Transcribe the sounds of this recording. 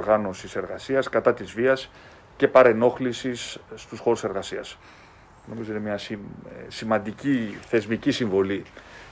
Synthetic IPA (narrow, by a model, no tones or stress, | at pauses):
ɾɣɐno̞sise̞ɾɣɐsiɐskɐt̪ɐt̪izviɐs | ce̞pɐɾe̞no̞xlisisːt̪usxo̞ɾuse̞ɾɣɐsiɐ̰s | no̞mizoinemɲɐssimɐnd̪iciθe̞zmicisiɱvo̞li